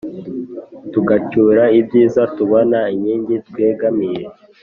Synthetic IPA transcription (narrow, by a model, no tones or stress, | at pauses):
tuɡacuɾaibɟiːzatuβonaiɲiːɲdɟit̚weːɡamiɾe